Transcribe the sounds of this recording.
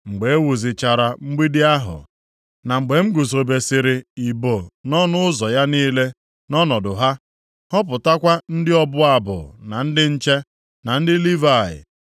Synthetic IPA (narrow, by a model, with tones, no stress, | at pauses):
ŋ͡m̩˨ɡ͡be˨e˦wu˨zɪ˨t͡ʃa˨ɾa˨ŋ͡m̩˦ɡ͡bi˦dɪ˦a˦ɦʊ̰˨ | na˨ŋ͡m̩˨ɡ͡be˨ŋ͡m̩˦ɡu˨so˨be˨sɪ˨ɾɪ˨i˨bo˨nɔ˦nʊ˦ʊ˦zɔ˨ja˦niː˦le˦ | nɔ˦nɔ˨dʊ˨ɦa˦ | hɔ˦p̬ʊ˨ta˦kʷa˦n̩˦dɪ˦ɔ˦bʊ˦a˨bʊ̰˨na˨n̩˦dɪ˦n̩˦t͡ʃe˦ | na˨n̩˦dɪ˦li˦va˦˨ɪ̰˨